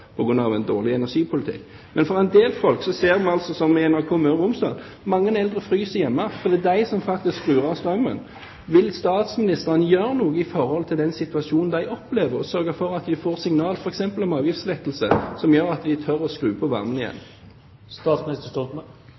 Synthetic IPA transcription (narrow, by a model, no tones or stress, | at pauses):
pʰɔɡʁʉnːɑʋɛnd̪oːʁlɪɛnæʂiːpʰʊlɪt̪ʰɪ̰kː | mɛnfɔʁɛnd̪eːlfɔlksɔseːʁmɑnɑlsɔsɔmɛnæʁkʰoːmøːʁʊmsd̪ɑ̰ːl | mɑŋːənɛld̪ʁəfʁyːsəjɛmːəfɔʁd̪iːd̪æɪsɔmfɑk̚t̪ɪskʁʉːʁɑʁst̪ʁɑŋmɑ̰n | ʋɪlst̪ɑːt̪smɪnɪst̪əʁənəjøːʁənuːɡəɪfɔɾhɔlt̪ʰɪld̪ɛnsɪt̪ʉɑʃuːnn̩d̪æɪɔpleːʋəʁɔsœʁɡəfɔʁɑt̪d̪ɪfoːʁsɪŋnɑːlfɔɾɛksɛmpəlɔmɑːʋjɪft̪slɛt̪ːəlsəsɔmjøːɾɑt̪d̪ɪt̪ʰœɾɔskʁʉːpʰɔʋɑ̰ʁmənɪjɛ̰nː | st̪ɑsnɪst̪ə